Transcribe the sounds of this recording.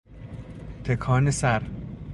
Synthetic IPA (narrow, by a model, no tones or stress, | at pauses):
t̪ʰekʰɒːnesæɾ